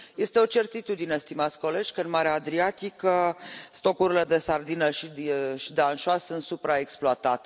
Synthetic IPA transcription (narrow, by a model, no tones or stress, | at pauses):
je̞st̪e̞o̞t͡ʃe̞rt̪it̪ud̪inest̪imat̪sʲko̞le̞d͡ʒʲkəɨnmaɾeaːd̪ɾiat̪ikəst̪o̞kuɾile̞d̪e̞sard̪inəʃiʃid̪eanʃoasunt̪supɾaeksploat̪at̪e